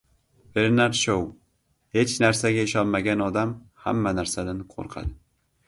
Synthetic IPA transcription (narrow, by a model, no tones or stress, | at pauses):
ve̞ɾnaɾʃow | het͡ʃnaɾsaɡʲaɪʃɒnmaɡʲanɒd̪amha̰mːanaɾsad̪anqʰo̰ɾqʰɑ̰d̪ɪ